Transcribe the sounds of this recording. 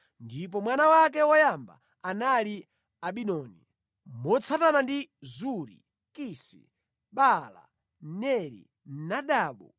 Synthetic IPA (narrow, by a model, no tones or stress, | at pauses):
ndip̬ɔmwanawak̬ɛwɔjamba̰ | anali | aɓinɔni | mɔt͡sʰatanandizuɾi | kisḭ | ɓala̰ | nɛɾḭ | naɗaːɓɔ